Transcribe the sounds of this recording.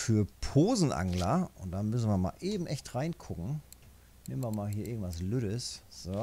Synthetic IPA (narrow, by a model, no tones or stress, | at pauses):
fyːɐpʰoːzn̩ʔa̰ŋlɐʔʊnt̚d̥anmʏsn̩viɐma̰ːlʔeːbm̩ʔɛçtʁaɪnkʰʊkŋ̩ | neːmənvɐmaːlɦiːɐʔɪɐɡŋ̩tv̥asløːɾəsz̥o